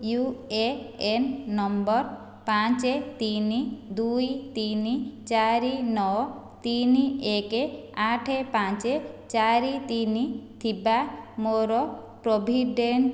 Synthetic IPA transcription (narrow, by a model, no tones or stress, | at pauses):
jueenːɔmbɔɾ | pãt͡ʃet̪inid̪ujt̪init͡ʃaɾinɔ | t̪iniekeaʈʰepãt͡ʃet͡ʃaɾit̪init̪ʰibamoɾɔ | pɾɔbʱiɖeɳʈ